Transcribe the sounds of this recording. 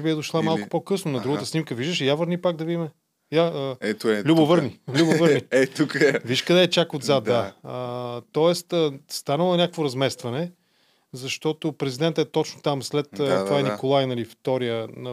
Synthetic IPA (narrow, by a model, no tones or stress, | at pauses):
biɛd̪oʃlˠamalˠkʊ̥pokɤsnʊnɐd̪ɾuɡət̪əsnimkəviʒd̪əʃijavəɾnipaɡ̚d̪ɐvid̪imɛ | jaəɛlʲubovəɾnilʲubovəɾniɛt̪ukviʃkɐd̪ɛːt͡ʃakod̪zat̪d̪aət̪ɔɛst̪əst̪anəlˠonʲakəkvoɾɐzmɛst̪vɐnɛ | zɐʃt̪ɔt̪opɾɛzid̪ɛnt̪əɛt̪ɔt͡ʃnot̪amslɛt̪ːt̪ovaɛnikolˠajnɐlift̪ɔɾijənɐ